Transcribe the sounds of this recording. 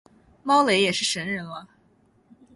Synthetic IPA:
mɑ˥ʊle˧˥ɪjɛ˨˩ʂɻ̩˥˩ʂə˧˥nɻə˧˥nlə˧

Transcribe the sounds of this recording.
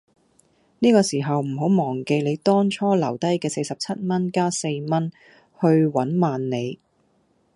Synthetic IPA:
niː˥kɔː˧siː˨˩ɦɐ˨wm̩˨˩ɦo˨˥wmɔː˨˩ŋke˨˧jne˨˧jt̪ɔː˥ŋt͡ʃʰɔː˥lɐ̰˨˩wt̪ɐ˥jkɛː˧se˧jsɐ˨p̚t͡sʰɐ˥t̚mɐ˥nkaː˥se˧jmɐ˥n | hɵ˧ɥwɐ˨˥nmaː˨nːe˨˧j

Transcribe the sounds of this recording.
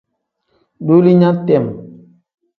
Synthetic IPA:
do˦li˦ɲa˦tɛ˦˨m

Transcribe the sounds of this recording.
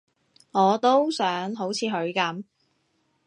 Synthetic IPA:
ŋɔː˨˧t̪o˥wsœː˨˥ŋɦo˨˥wt͡sʰiː˨˧ɦɵ˨˧ɥkɐ˨˥m

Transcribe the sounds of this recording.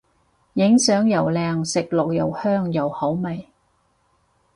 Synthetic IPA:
jɪ˨˥ŋsœː˨˥ŋjɐ˨˩wlɛː˨˧ŋsɪ˨k̚lʊ˨k̚jɐ˨whœː˥ŋjɐ˨whɐ˨˥wmɐ˨j

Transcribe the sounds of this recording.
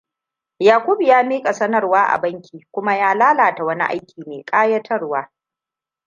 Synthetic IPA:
jaː˨kʷʊ˦bjaː˦miː˦kʼa˨sɐ˦nɐ˨rwaː˦ʔa̰˨bɐ˦ŋkʲiː˨kʷʊ˦ma˦jaː˦laː˦laː˨ta˨wɐ˦ni˦ʔa̰˦jkʲiː˨meː˨kʼaː˦jɐ˦tʰɐ˦rwaː˦

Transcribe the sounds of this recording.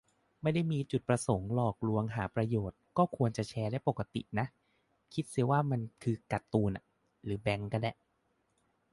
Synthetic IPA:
ma˥˩jda˥˩jmiː˧t͡ɕu˨˩t̪̚pɾa˧so˨˩˦ŋlɔː˨˩k̚ɾu˧əŋɦaː˩˦pɾa˧joː˨˩t̪̚kɔː˥˩kʰu˧ənt͡ɕa˨˩t͡ɕʰɛː˧daː˥˩jpo˨˩ka˧˦t̪ḭ˨˩na˦˥ʔ | kʰi˦˥t̪̚si˨˩waː˥˩ma˧nkʰɯː˧ka˨˩t̪ːuː˧nʔa˨˩ | ɾɯː˩˦bɛ˧˦ŋka˥˩nlɛ˦˩

